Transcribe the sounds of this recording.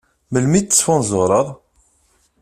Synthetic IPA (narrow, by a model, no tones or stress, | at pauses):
məlmiə̥sfʊnzoɾˤəðˤ